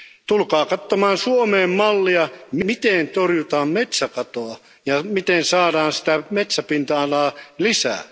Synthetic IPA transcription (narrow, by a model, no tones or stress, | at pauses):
t̪ulkɑːkɑt̪ːomɑːnsuomeːmmɑlːiɑmmit̪ent̪orjut̪ɑːmmet̪sækɑt̪oɑ | jɑmit̪ensɑːdɑːnsi̥t̪æmet̪sæpint̪ɑːnɑːlisæ̰ː